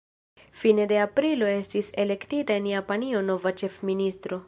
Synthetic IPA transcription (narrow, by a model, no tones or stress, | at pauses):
fine̞de̞apɾilo̞e̞stise̞le̞ktitae̞njapanio̞no̞vat͡ʃe̞fminist̪ɾo̞